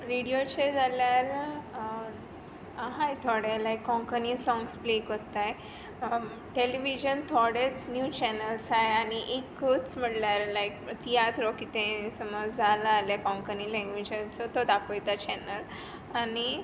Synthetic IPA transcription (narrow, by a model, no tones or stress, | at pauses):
ɾiɽijot͡ɕed͡zaljaɾ | aɦajt̪ʰɔɽelajkːɔ̃ŋkənisɔ̃ŋɡsplekot̪ːaj | ʈeliʋid͡ʑənt̪ʰɔɽet͡snjut͡ɕɛnəlsajañiʔekːot͡sm̤əɽljaɾlajk̚t̪iat̪ʰɾɔkit̪ẽsəməd͡zd͡zʱalaːljakɔ̃ŋkənilɛ̃ŋɡʋid͡ʑãt͡sɔt̪od̪akʰojt̪at͡ɕɛnəl | ani